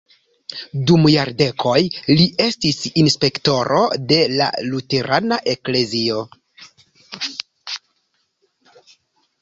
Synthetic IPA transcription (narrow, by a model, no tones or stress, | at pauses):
dumjaɾde̞kʰo̞jliʔe̞stisinspe̞kto̞ɾo̞̰de̞la̰lute̞ɾʔanaʔe̞kle̞zio̞